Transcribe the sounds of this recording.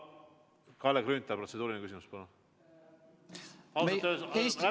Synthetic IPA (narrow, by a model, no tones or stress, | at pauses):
kɑlekɾynt̪ːɑpɾro̞t̪se̥uːɾinekys̬ʲimuspɑnu | ɑluseæ